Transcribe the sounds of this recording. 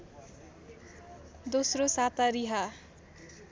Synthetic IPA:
d̪osrosat̪aɾiɦa

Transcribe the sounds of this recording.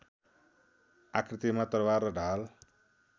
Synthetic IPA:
akɾt̪imat̪əɾwaɾəɖal

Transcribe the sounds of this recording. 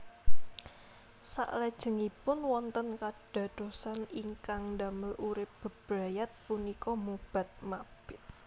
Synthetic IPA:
sa̰ʔlɛd̥ʒ̥ə̤ŋipʊnwɔnt̪ənkaɖ̥a̤d̥o̤saniŋkaŋda̤məlʔuɾɪp̚b̥ə̤b̥ɾajat̪̚punikɔmub̥a̤t̪̚mab̥ɪ̥t̪̚

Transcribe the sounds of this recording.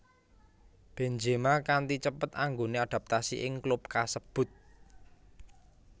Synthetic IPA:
b̥end͡ʒemakant̪it͡ʃəpət̪aŋɡonead̥a̤p̚t̪asiʔɪŋklub̚kasəb̥ʊ̤t̪̚

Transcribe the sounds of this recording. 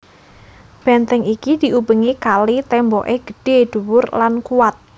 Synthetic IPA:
b̥ɛnt̪ɛŋikid̪̥iubəŋikalit̪ɛmbɔʔeɡ̥ə̤ɖ̥ed̪̥uwʊrlankuwat̪̚

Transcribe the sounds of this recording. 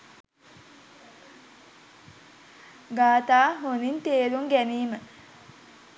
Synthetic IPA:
ɡaːt̪aːɦonint̪eːɾuŋɡæniːmə

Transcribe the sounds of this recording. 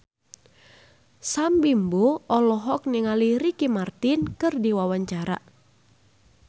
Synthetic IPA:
sambimboɔlɔɦɔk̚niŋaliɾikimart̪inkɨrdiwawaɲt͡ʃaɾa̰

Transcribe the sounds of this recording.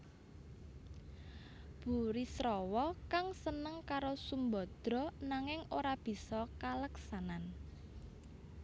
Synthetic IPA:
b̥ṳɾisɾɔwɔkaŋsənəŋkaɾosumbɔ̤d̪̥ɾɔ̤naŋɪŋoɾab̥i̤sɔkaləksanan

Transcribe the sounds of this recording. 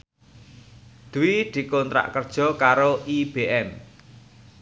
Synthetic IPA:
d̪̥uwid̪̥i̤kɔnt̪ɾa̰ʔkərd̥ʒ̥ɔ̤kaɾoʔib̥eʔɛm

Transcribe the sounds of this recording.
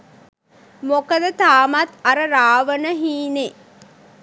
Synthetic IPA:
mokəd̪ət̪aːmat̪aɾəɾaːʋənəɦiːne

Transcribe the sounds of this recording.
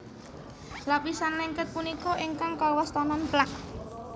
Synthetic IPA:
lapisanlɛŋkət̪̚punikɔʔiŋkaŋkɔwɔst̪ɔnɔnplak̚

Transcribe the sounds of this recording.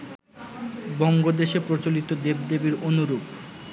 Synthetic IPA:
bɔŋɡod̪eʃepɾot͡ɕolit̪od̪ebd̪ebiɾonuɾub

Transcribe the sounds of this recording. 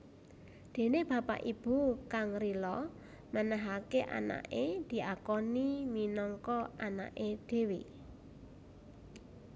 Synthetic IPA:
d̪̥e̤neb̥ä̤pa̰ʔib̥ṳkaŋrilɔ | mənaɦakeʔa̰na̰ʔed̪̥i̤ʔakɔniminɔŋkɔana̰ʔed̪̥e̤we

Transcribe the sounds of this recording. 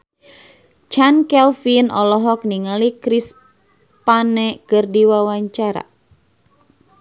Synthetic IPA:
t͡ʃankɛlfinɔlɔɦɔk̚niŋalikɾis | panɛkɨrdiwawaɲt͡ʃaɾa̰

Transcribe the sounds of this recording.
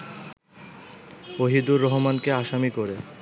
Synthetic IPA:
oɦid̪uɾːɔɦomankeaʃamikoɾe

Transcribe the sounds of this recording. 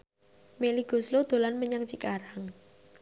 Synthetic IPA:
meliɡ̥o̤slod̪̥o̤lanməɲaŋt͡ʃikaɾaŋ

